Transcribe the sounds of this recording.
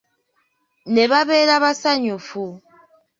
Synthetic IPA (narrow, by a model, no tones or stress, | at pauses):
nɛβabɛɾaβasaɲofu